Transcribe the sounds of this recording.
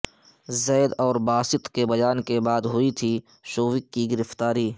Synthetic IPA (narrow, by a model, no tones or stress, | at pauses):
zɛːd̪ɔːɾbaːsɪt̪kebɐjaːnkebaːd̪ɦʊit̪ʰi | ʃoːʋɪkːiɡɪɾɪft̪aːɾiː